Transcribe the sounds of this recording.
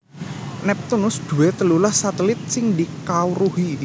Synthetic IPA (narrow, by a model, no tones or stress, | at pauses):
nɛp̚t̪unʊsd̪̥ṳwet̪əlulahsat̪əlɪt̪̚sɪŋd̪ikawɾuhi